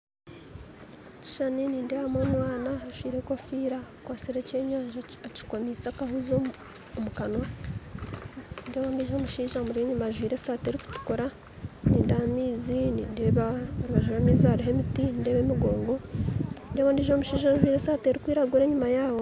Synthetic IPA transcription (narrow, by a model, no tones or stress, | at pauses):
ci̥ʃaniniːndeβamwonwaːnaaʒwiːɾe̞kofiːɾakwaːseɾeceːɲaːɲʒaaci̥komisakahuzo | omukano | ndeβaːndiʒo̞muʃiːʒamuɾeɲumaʒwiːɾesaːte̞ɾiku̥tu̥koɾa | niːndamiːziniːndeːβaɾβaʒuɾamiːzaɾiɦe̞mitininde̞ːβemuɡo̞ːŋɡo̞ndeβondiːʒo̞muʃiːʒanʒwiːɾe̞saːteɾikwiːɾaɡuɾe̞ːɲumajaːwo̞